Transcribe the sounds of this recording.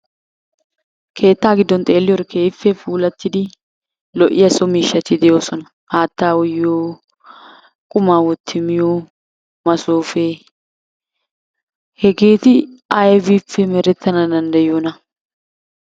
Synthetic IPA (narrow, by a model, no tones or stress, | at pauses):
kʰe̞ːt̪ːaːɡɪd̪ːɔnt̪ʼe̞ːlːɪjɔɾkʰeːfːɛfuːlɐt̪ːɪd̪ɪ | lɔʔɪjɐsɔmiːʃːɐt̪ɪd̪ɛjoːsɔnɐ | haːt̪ːaːwʊjːoː | kʼʊmaːwɔt̪ʰːɪmɪjoː | mɐsoːfe | hɛɡe̞ːt̪ɪɐjvifːɛmɛɾɛt̪ʰːɐnɐd̪ɐnd̪ɐjoːnɐ